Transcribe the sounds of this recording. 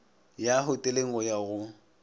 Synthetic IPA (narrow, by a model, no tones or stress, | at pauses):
jaɦʊtʼeleŋ̩ɔjaɣʊ